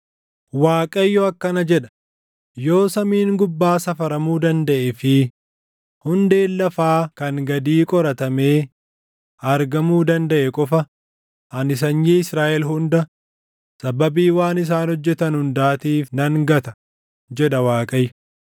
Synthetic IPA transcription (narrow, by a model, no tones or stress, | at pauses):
waːkʼɐjːɔɐkːɐnɐd͡ʒɛᶑɐ̥ | jo̞ːsɐmiːŋɡʊbːaːsɐfɐɾɐmuːd̪ɐnd̪ɐʔɛfɪ | hʊnd̪e̞ːlːɐfaːkɐŋɡɐd̪iːkʼɔɾɐt̪ɐme̞ː | ɐɾɡɐmuːd̪ɐnd̪ɐʔɛkʼɔfɐ | ʔɐnɪs̬ɐɲːiːɪsɾaːʔɛlɦʊnd̪ɐ | sɐbɐbiːwaːnɪs̬aːnhɔd͡ʒːɛt̪ɐnhʊnd̪aːt̪iːfnɐŋɡɐt̪ɐ | d͡ʒɛᶑɐwaːkʼɐj